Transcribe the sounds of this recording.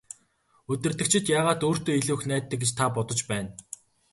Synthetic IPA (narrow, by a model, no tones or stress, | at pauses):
ɵt̪ɘ̆rt̪ɘ̆kt͡ɕʰɪ̆t̪jaːʁaːt̪oːr̥t̪oːiɮuːxnæːt̪ːɘ̆kɡet͡ɕt̪ʰapɔt̪ɞ̆t͡ɕpæːn